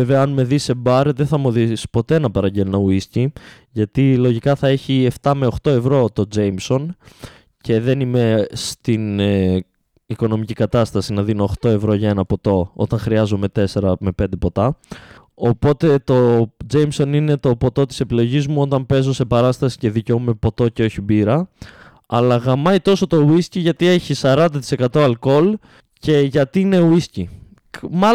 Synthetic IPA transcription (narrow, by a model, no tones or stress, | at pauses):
veveɐɐnme̞ðise̞bɐɾðeθɐmoðispo̞t̪e̞nɐpɐɾɐɲɟelonouisci | ʝɐt̪ilo̞ʝikɐθɐe̞çie̞ft̪ɐme̞oxt̪o̞e̞vɾo̞t̪o̞d͡zejmso̞n | cʰe̞ðe̞nime̞st̪in | iko̞no̞micikɐt̪ɐst̪ɐsinɐðino̞ːxt̪o̞e̞vɾo̞ʝɐenɐpo̞t̪o̞o̞̰t̪ɐnxɾiɐzome̞t̪e̞se̞ɾɐme̞pe̞nd̪e̞po̞t̪ɐ | o̞po̞t̪e̞t̪o̞d͡zejmso̞nine̞t̪o̞po̞t̪o̞t̪i̥se̞pilo̞ʝizmuo̞t̪ɐmpe̞zo̞se̞pɐɾɐst̪ɐsi̥ce̞ðiceome̞po̞t̪o̞ceo̞çibiɾɐ | ɐlɐɣɐmɐjt̪o̞so̞t̪o̞wisciʝɐt̪ie̞çisɐɾɐnd̪ɐt̪i̥se̞kɐt̪o̞ɐlko̞l | ce̞ʝɐt̪ine̞wisci | m